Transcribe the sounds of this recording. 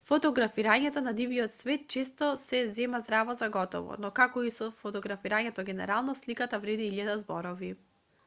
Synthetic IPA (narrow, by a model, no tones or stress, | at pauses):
fɔt̪ɔɡɾafiɾaɲɛt̪ɔnad̪iviɔt̪svɛt̪̚t͡ʃɛst̪ɔsɛzɛmazd̪ɾavɔzaɡɔt̪ɔ̰vɔ̰nɔkakɔisɔfɔt̪ɔɡɾafiɾaɲɛt̪ɔɡɛnɛ̰ɾalˠnɔslikat̪avɾɛd̪iilad̪azbɔɾɔvi